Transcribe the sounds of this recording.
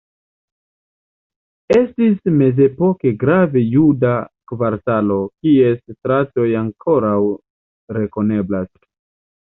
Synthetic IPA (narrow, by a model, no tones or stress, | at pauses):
e̞stisme̞ze̞po̞ke̞ɡɾave̞judakvaɾtalo̞kie̞stɾato̞jaŋkʰo̞ɾaw | ɾe̞ko̞ne̞blas